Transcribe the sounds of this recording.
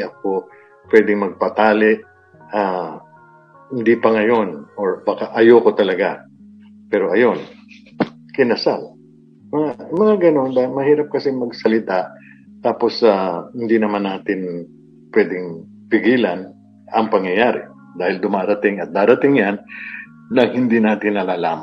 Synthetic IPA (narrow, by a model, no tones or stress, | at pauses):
ɐk̚o̞ | pwɛd̪ɪŋmɐɡ̚pɐt̪aːlɪʔ | ʔa | hɪnd̪ipɐŋɐjo̞noɹbaːkaʔɐjoko̞t̪ɐlɐɡa | pɛːɾo̞ʔɐjo̞n | kɪnɐsal | mɐŋamɐŋaɡɐno̞nd̪aːhɪlmɐhiːɾɐp̚kɐsɪŋmɐɡsɐlɪt̪aʔ | t̪aːpo̞sahɪnd̪inɐmanːaːt̪ɪn | pwɛːd̪ɪŋ | pɪɡiːlɐn | ɐŋpɐŋjɐjaːɾɪ̰ | d̪aːhɪld̪ʊmaːɾɐt̪ɪŋɐt̪̚d̪aːɾɐt̪ɪŋjanː | ɐŋhɪnd̪inaːt̪ɪnːɐlaːlaːm